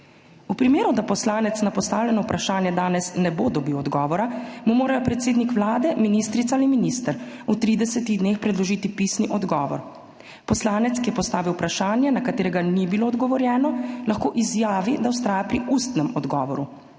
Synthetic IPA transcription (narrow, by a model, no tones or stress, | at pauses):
upɾimeːɾud̪apɔslaːnɛt̪snapɔst̪aːwlʲɛnɔupɾʔaʃaːnjɛd̪aːnɛsnɛbod̪ɔbiwɔd̪ɡɔːʋɔɾamumoːɾajɔpɾɛt̪seːd̪nikʋlaːd̪ɛminiːst̪ɾit̪saaliminiːst̪əɾut̪ɾiːd̪ɛsɛt̪iɣd̪neːxpɾɛd̪lɔʒiːt̪ipiːsniʔɔd̪ɡɔːʋɔ̰ɾ | pɔslaːnɛt̪skijɛpɔst̪aːʋiwpɾaʃaːnjɛnakat̪eːɾɛɡanibiloːd̪ɡɔʋɔɾjɛːnɔlaxkoːʔizjaːʋid̪awst̪ɾaːjapɾiʔust̪nɛmɔd̪ɡɔ̰ːʋɔɾu